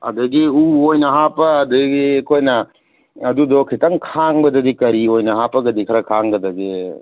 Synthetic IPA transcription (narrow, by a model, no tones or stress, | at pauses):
ɐ̰dɐɡiuojnɐɦapɐːdɐɡiekʰojnɐː | dudɔkʰitɐŋkʰaŋbɐdɐdikɐɾiojnɐɦapɐɡɐdikʰɐɾɐkʰaŋɡɐdɐɡi